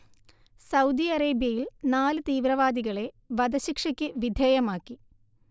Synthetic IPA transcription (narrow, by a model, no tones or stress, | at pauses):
sɐwd̪iɐreːbjɐjilnaːlɨt̪iːʋɾɐʋaːd̪iɣɐɭe̞ | ʋɐd̪ɐɕikʂɐkʲːɨʋid̪ʱeːjɐmaːkːi